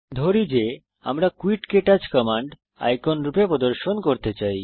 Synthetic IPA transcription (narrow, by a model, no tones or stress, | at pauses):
d̪ʱoɾid͡ʑe | a̰mɾakuiʈkeʈad͡ʑkɔmaɳɖ | a̰jkonɾupepɾod̪oɾʃonkoɾt̪et͡ɕaj